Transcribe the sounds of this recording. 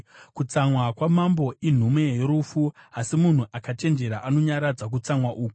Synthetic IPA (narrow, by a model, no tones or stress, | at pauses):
kut͡samwakwamambo̞ʔin̤umwe̞jo̞ɾuːfuasimun̤uʔakate̞nd͡ʒe̞ɾaʔano̞ɲaɾad͡zak̬ut͡samwaʔuːku